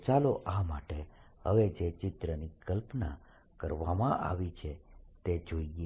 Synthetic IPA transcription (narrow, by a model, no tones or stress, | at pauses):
t͡ʃaloʔamaʈeɦə̰ʋed͡ʒet͡ʃɪt̪ɾənikəlpna | kəɾʋamãʔa̰ʋit͡ʃʰet̪ed͡ʒoie